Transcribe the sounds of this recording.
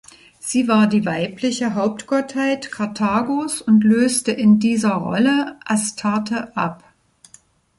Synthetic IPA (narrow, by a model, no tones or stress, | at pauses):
z̥iːvaːɐdiːvaɪplɪçəɦaʊp̚tɡ̥ɔthaɪtkʰaɐtʰaːɡoːsʊntløːstəʔɪndiːzɐʁɔ̰ləʔastʰatəʔa̰p